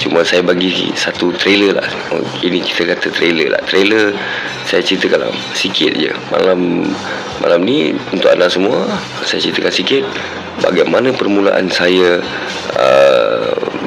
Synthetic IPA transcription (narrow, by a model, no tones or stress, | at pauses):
t͡ʃuməsajabaɡisat̪ut̪ɾeləla̰h | iniki̥t̪əkat̪ət̪ɾelə̰la̰ht̪ɾelər | sajat͡ʃɾit̪əkala̰ | sikʰɪt̪̚d͡ʒə̰ma̰lamː | a̰lamniunt̪ʊʔa̰naʔsəmũə | sajə̰t͡ʃɾit̪əkansikɪt̪̚ | ba̰ɡajmanəpərmula̰ʔa̰nsaja | ə̰